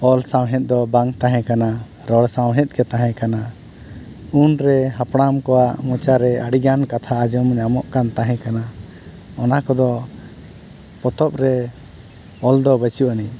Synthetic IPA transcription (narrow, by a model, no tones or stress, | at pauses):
ɔlsawɦɛ̃t̪̚d̪ɔbaŋt̪aɦɛ̃kana | ɾɔɽsãwɦɛt̪̚ˀkɛt̪aɦɛ̃kana | unɾɛɦapɽamkɔwaʔmɔ̃t͡ʃaɾɛəɽiɡankat̪ʰaːd͡ʒɔmɲamɔʔkant̪aɦɛ̃kana | ɔnakɔd̪ɔ | pɔt̪ɔp̚ɾɛ | ɔld̪ɔbət͡ʃuʔani